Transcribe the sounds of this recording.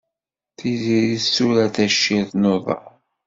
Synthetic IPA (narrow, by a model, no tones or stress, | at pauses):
θiziɾisːuɾæθæʃːiðˤnoðˤɑ̰